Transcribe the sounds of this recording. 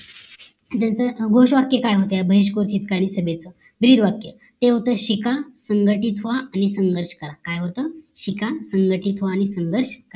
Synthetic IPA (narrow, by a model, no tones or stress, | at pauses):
t̪jat͡səɡʱoɕʋakjəkajɦot̪əjabʱəɦiɕ̬kot̪ʰiːt̪kaɽ̃isəbet͡sə | bɾiːɾʋakjə | t̪eɦot̪əːɕikasəŋɡəʈiːt̪ɦoʋaʔanisəŋɡəɾɕkəɾakajɦot̪əɕikasəŋɡəʈit̪ɦoaːɽ̃isəŋɡəɾɕkəɾ